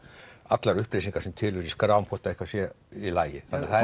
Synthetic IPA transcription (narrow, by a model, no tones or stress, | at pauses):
at̪laɾʏhplejsiŋkaɾ̥sɛmt̪ʰɪlʏɾiskɾawmpʰɔht̪aehkvasjɛ | ilaːjɪθaθað